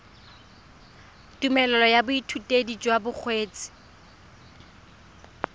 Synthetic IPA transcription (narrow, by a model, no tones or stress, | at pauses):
tʼumɛlɔlɔjabʊitʰutʼedit͡ʃʼwabʊk͡xʰweːt͡sʼɪ̥